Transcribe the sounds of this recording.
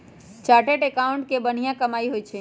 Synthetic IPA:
t͡ʃaːʈeʈekaʊ̃ɳʈ̚kebəɽ̤ijãkəmaːiɦoːit͡ʃʰe

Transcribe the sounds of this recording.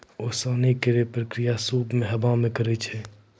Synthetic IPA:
oːsaːnikeɾepɾəkɾijasuːbmẽɦəbãmẽkəɾɛt͡ʃʰɛ

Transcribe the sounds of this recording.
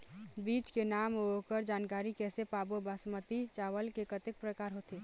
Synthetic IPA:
biːt͡ʃkenaːmokəɾd͡ʒaːnkaːɾikɛːsepaːbobasmət̪it͡ʃaːʋəlkekət̪ɪk̚pɾəkaːɾɦot̪eː

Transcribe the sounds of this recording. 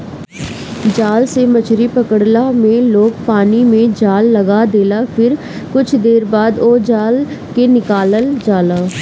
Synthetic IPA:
d͡ʒaːlsemət͡ʃʰɾipəkəɽlamẽloːɡ̚paːnimẽd͡ʒaːlːəɡaːd̪eːlaːpʰɪɾ | kʊt͡ʃʰd̪eːɾbaːd̪oːd͡ʒaːl | kenɪkaːləld͡ʒaːlaː

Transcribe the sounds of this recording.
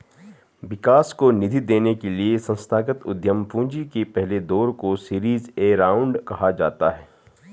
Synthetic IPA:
ʋɪkaːskonɪd̪ʱid̪eːnekeliesɐ̃nst̪ʰaːɡət̪ʊd̪ʱjəmpũːd͡ʒikepɛɦled̪ɔːɾkosiːɾiːzeːɾaːʊ̃ɳɖkɐɦad͡ʒa̰ːt̪aɦɛː

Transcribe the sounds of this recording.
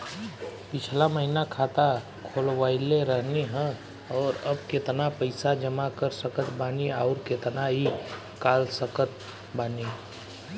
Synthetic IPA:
pɪt͡ʃʰlaməɦinakʰaːt̪a | kʰoːlʋaːɪleɾəɦneɦɛ̃ | ɔːɾəb̚ket̪napəɪsad͡ʒəmakəɾsəkət̪baːniaːʊɾket̪naɦi | kaːlsəkət̪̚ʰ | baːni

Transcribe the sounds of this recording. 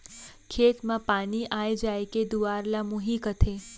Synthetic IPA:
kʰeːt̪mãpaːniʔaːjd͡ʒajked̪uaɾlamʊɦiːkət̪ʰeː

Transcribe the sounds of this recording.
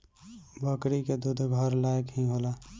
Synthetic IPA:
bəkɾiked̪ud̪ʱɡʱɔɾlajəkɦĩɦola

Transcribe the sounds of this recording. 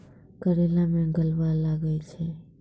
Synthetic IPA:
kəɾelamẽɡəlʋalaɡəjt͡ʃʰe

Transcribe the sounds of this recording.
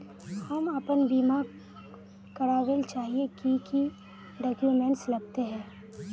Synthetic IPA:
hɐməpənbiːma | kɐɾaːʋeːlt͡ʃaːɦiekiki | ɖɔːkjumẽːɳʈslɐɡ̚t̪eɦɛ̃ː

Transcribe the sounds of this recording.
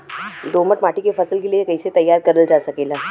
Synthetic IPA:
d̪oːməʈmaːʈikefɐsəlkelijekɐiset̪ɐjːaːɾkɐɾəld͡ʒaːsɐkeːlaː

